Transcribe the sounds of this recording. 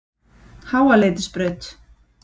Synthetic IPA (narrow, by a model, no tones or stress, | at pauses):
haːwaleːjt̪ɪ̥spɾœɥt̪